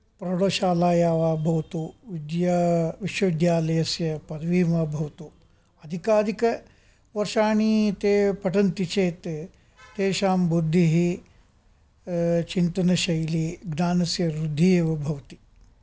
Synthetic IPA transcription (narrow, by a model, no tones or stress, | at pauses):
pɾɐɽoːʃaːlaːjaːʋaːbʱɐʋɐt̪uʋid̪jaːʋiʃwɐʋid̪jaːlɐjɐsjɐpɐd̪ʋiːmaːbʱɐʋɐt̪u | ɐd̪ʱikaːd̪ʱikɐ | ʋɐɾʃaːɳit̪eːpɐʈɐnt̪it͡ʃeːt̪ː | eːʃaːmbud̪ʱːiɦi | t͡ʃint̪ɐnɐʃɐjliːɡnaːnɐsjɐɾɾud̪ʱːieːʋɐbʱɐʋɐt̪i̥